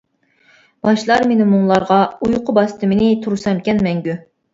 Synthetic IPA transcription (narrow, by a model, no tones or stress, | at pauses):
b̥ɑʃlˠɑɾmenɪmuŋlˠɑɾʁɑujqʰʊbɑst̪ʰɨmɪnɪt̪ʰuɾsɑmkʲɛnmɛŋɡʲy